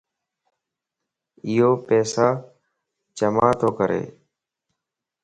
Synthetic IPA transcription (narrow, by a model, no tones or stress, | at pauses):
ɪɦoːpɛːsaː | t͡ʃəmãːt̪ʰoːkəɾʔḛː